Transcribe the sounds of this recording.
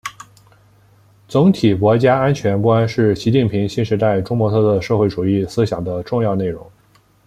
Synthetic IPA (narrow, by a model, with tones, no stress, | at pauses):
t͡sʊ˧˥ŋt̪ʰi˨˩kwɔ˧˥t͡ɕja˥a˥nt͡ɕʰɥɛ˧˥nkwa˥nʂɻ̩˥˩ɕi˧˥t͡ɕi˥˩npʰi˧˥ŋɕi˥nʂɻ̩˧˥t̪a˥˩ɪʈ͡ʂʊ˥ŋmwɔ˧˥t̪ʰɤ˥˧t̪ʰɤ˥˧˩ʂɤ˥˧xwe˥˩ɪʈ͡ʂu˨˩i˥˩sɹ̩˥ɕjɑ˨˩ŋd̪ə˦ʈ͡ʂʊ˥˧ŋjɑ˥˧ʊne˥˩ɪɻʊ̰˧˥ŋ